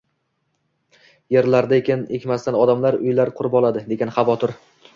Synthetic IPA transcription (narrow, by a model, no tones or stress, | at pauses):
je̞ɾlaɾd̪aekʲɪnekʲmast̪anɒd̪amlaɾʊ̰jlaɾqʰʊɾɪbɒlˠad̪ɪd̪e̞ɡʲanχɑvɒt̪ʰʊɾ